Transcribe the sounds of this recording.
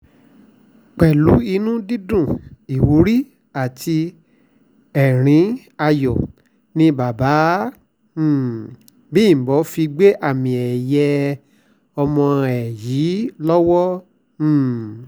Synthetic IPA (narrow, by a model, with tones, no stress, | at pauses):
k͡pɛ˨lu˨˦i˧nũ˦di˦dũ˦˨i˨wo˨˦ɾi˦ | a˨tʰi˧ | ɛ˨ɾ̃ĩ˧˦ | a˧jɔ˨ | nĩ˧ba˨ba˨˦˨ | bĩ˦˨bɔ˨˦fi˧ɡ͡be˦ʔa˦˨mĩ˨ɛ˨jɛ˧ | ɔ˧mɔ̃˧ɛ˨ji˨˦lɔ˦wɔ̃˦˨